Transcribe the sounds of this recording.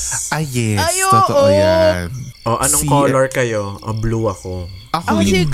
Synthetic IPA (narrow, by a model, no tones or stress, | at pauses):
ʔaɛot̪ooʔojanʔoʔɐnoŋkoːloɹkɐjo̞ʔɐbluːɐkoɐk